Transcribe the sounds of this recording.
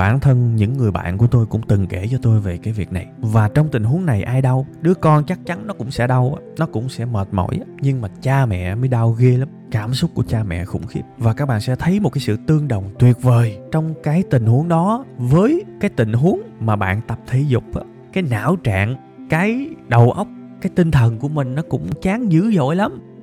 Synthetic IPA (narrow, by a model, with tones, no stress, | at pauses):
ɓaː˧˩nt̪ʰə˧nɲɨ̰˧˥ŋːɨ˨˩əjɓa̰ː˧˨nku˧˩ət̪o˧jkʊ̰˧˥ŋ͡mt̪ɨ˨˩ŋke˧˩t͡ɕɔ˧t̪o˧jve˨˩kaː˨˦jvi˨˩ək̚na˨˩jvaː˨˩t͡ɕɔ˧wŋ͡mt̪ï˨˩ŋ̟ɦu˨˦əŋna˨˩jʔaː˧jɗə˧wɗɨ˨˦əkɔ˧nt͡ɕa˦˥k̚t͡ɕa˨˦nnɔ˨˦kʊ̰˧˥ŋ͡msɛ̰˧˥ɗə˧wʔaː˧˦nɔ˨˦kʊ̰˧˥ŋ͡msɛ̰˧˥məː˨˩t̚mo̰˧˥jɲɨ˧ŋmaː˨˩t͡ɕaː˧mɛ̰˧˨məː˨˦jɗaː˧wɣi˧la˨˦mkaː˧˩msʊ˦˥k͡p̚ku˧˩ət͡ɕaː˧mɛ̰˧˨xʊ̰˧˩ŋ͡mxi˦˥əp̚vaː˨˩kaː˦˥k̚ɓa̰ː˧˨nsɛ̰˧˥t̪ʰə˨˦jmo˨˩kaː˨˦jsɨ̰˧˨t̪ɨ˧əŋɗə˨˩wŋ͡mt̪wi˨˩ət̚vəː˨˩jt͡ɕɔ˧wŋ͡mkaː˨˦jt̪ï˨˩ŋ̟hu˨˦əŋɗɔ˨˦vəː˨˦jkaː˨˦jt̪ï˨˩ŋ̟ɦu˨˦əŋmaː˨˩ɓa̰ː˧˨nt̪ə˨˩p̚t̪ʰi˧˦zʊ˨˩k͡p̚ʔaː˨˦ | kaː˨˦jna̰ː˧˥wt͡ɕa̰ː˧˨ŋ | kaː˨˦jɗə˨˩wʔə˦˥wk͡p̚ | kaː˨˦jt̪ï˧ŋ̟t̪ʰə˨˩nku˧˩əmï˨˩ŋ̟nɔ˨˦kʊ̰˧˥ŋ͡mt͡ɕaː˨˦ŋzɨ̰˧˥zo̰˧˥˨jla˨˦m